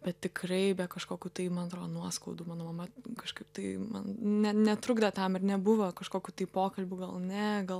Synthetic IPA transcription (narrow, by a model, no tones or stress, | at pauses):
bʲɛt̪ʲtʲɪkrɐɪbʲɛkɐʃkoːkʲuːt̪ɐɪmɐnɐt̪ɾoːd̪onuɔskɐʊd̪uːmɑːnoːmɐmɐkɐʃkɐɪp̚t̪ɐɪmɐ̰nnʲɛnʲɛt̪ɾʊɡd̪ɐt̪ɐmɪrnʲɛbʊʋɐkɐʃkoːkʲuːt̪ɐɪpoːkɐlʲbʲuːɡɐlˠnʲɛɡɐlˠ